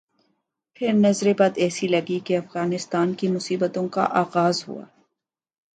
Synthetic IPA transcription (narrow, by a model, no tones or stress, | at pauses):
pʰɪɾnɐzɾebad̪ɛːsilɐɡikeɐfɣaːnɪst̪aːnkimʊsiːbət̪õka̰ʔaːɣaːzɦṵa̰ː